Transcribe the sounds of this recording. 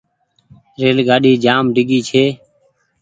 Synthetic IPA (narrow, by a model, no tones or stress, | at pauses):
ɾeːlɡaːɗiːd͡ʒaːmɖʱɪɡiːt͡ʃʰeː